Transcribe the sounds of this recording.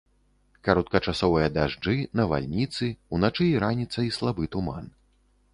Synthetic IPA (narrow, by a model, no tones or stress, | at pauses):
kaɾɔt̪̚kɐt͡ʂasɔvɐjɐd̪aʐd͡ʐɨnɐva̰lʲnʲit̪sɨunat͡ʂɨiɾanʲit̪sːɐislˠabɨt̪uma̰n